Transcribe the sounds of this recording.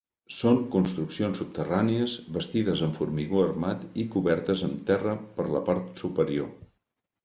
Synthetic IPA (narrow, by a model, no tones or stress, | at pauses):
soŋkunst̪ɾuksionsup̚t̪əraniəzβəst̪iðəzəɱfuɾmiɣoərmat̪ikuβɛɾt̪əzəmt̪ɛrəpəɾlə̰paɾt̪supəɾio